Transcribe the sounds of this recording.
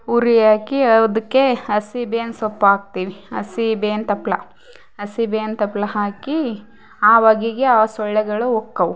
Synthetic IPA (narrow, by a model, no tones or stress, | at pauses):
uɾijaːkiɐd̪ɐkːeɐsibeːnsopːaːɡ̚t̪iːʋiɐ̰sibeːnt̪ɐplɐ | ɐsibeːnt̪ɐplɐɦaːki | aːʋɐɡiɡeaːsɔɭːɛɡɐɭuɔkːɐwu